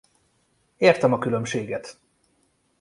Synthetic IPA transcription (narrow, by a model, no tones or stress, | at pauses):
eːrt̪ɛmɒkylø̞mʃeːɡɛt̪